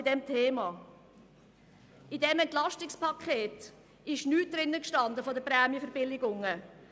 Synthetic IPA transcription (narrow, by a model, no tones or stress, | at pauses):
ɪd̥ɛmtʰeːmɑː | idɛmɛntlɑʃtɪkspɑkʰχeːt | ɪʃnyːt̚d̥ɾɪnːəkʃtɑnd̪əfɔdəpɾɛːmjəfəɾbɪlɪɡʊŋə